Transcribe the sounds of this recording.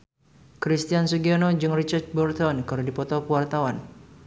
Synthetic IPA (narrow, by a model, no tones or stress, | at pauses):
kɾist̪iansuɡianod͡ʒɨŋrit͡ʃart̪̚bɔrt̪ɔnkəɾudipɔt̪ɔpəwart̪awan